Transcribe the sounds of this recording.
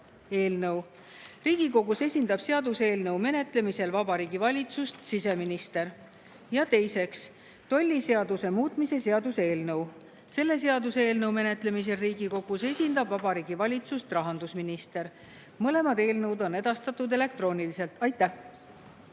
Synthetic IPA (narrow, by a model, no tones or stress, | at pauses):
e̞ːlnɤw | riːɡ̥iko̞ɡ̥use̞sʲind̪ɑb̥se̞ɑd̪̥use̞ːlnɤwme̞ne̞t̪ˑle̞mise̞lvɑb̥ɑɾiːɡ̥ivɑlʲit̪sust̪sise̞minist̪e̞ɾ | jɑt̪e̞jse̞ks | t̪o̞lʲːise̞ɑd̪use̞muːt̪ˑmise̞seɑd̪use̞ːlnɤw | se̞lːe̞se̞ɑd̪use̞ːlnɤwme̞ne̞t̪ˑle̞mis̬e̞lriːɡiko̞ɡ̥use̞sʲind̪̥ɑbvɑb̥ɑɾiːɡ̥ivɑlʲit̪sust̪rɑɦɑnd̪usminist̪e̞ɾ | mɤle̞mɑd̪e̞ːlnɤwd̪o̞ne̞d̪̥ɑst̪ɑt̪ːˑud̪e̞le̞k̚t̪ro̞ːnilise̞lt̪ˑɑjt̪ːˑæh